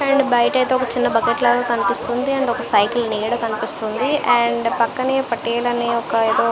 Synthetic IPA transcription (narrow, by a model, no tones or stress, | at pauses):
ɐɳɖbɐjɐʈɐjt̪eːɔkɐt͡ʃinːɐbɐkeʈlaːɡaːkɐnipist̪und̪iɐɳɖɔkɐsɐjklneːɽɐkɐnipist̪und̪iɐɳɖpɐkːɐneːpɐʈːeːlɐneːɔkɐeːd̪o̞ː